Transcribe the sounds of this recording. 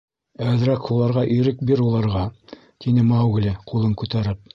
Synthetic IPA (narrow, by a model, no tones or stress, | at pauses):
æðɘ̆ɾækhulˠɑɾʁɑʔɵ̆jɾɘk̚biɾulˠɑɾʁɑ | t̪ʰinɘmɑwɡ̆lʲɘqʰulˠɤŋkʉt̪æɾɘp̚